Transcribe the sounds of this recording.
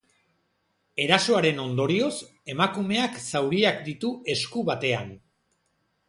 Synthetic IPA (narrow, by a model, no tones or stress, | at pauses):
e̞ɾaso̞aɾe̞no̞nd̪o̞ɾio̞s | e̞makume̞aksawɾiakd̪it̪uʔe̞skuβat̪e̞an